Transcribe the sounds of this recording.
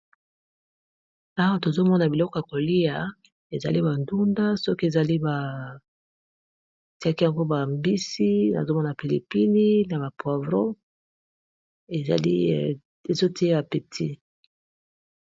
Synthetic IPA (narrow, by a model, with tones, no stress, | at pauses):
a˦wa˦to˨zo˦mɔ˦na˨bi˨lɔ˦kɔ˨a˨ko˨li˦ja˨ | e˨za̰˨li˦ba˨ndu˦nda˦sɔ˦ki˦e˨za˨li˦ba˨ | ti˦a˦ki˦ja˨ŋɡo˦ba˨mbi˦si˦na̰˨zo˦mɔ˦na˨pi˨lḭ˨pi˦ni˦na˨βa˨pwa˨vʁo˦ | ḛ˨li˦ | e˨zo˦ti˦e˦a˨pe˨tʰi˦